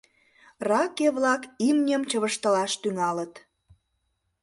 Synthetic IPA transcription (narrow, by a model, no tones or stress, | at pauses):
rɑkeβlɑkimnʲəmt͡ɕəβəʃt̪ə̆lɑʃt̪yŋɑlət̪